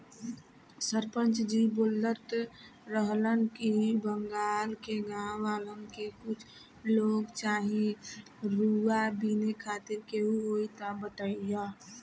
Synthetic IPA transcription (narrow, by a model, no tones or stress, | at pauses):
səɾpənt͡ʃd͡ʒibolːəɾt̪ɾəɦlənkibəŋɡaːlkeɡãwʋaːlənkekʊt͡ʃʰ | loːɡt͡ʃaːɦĩ | ɾuabinekʰaːt̪ɪɾkeɦuɦoit̪abət̪əija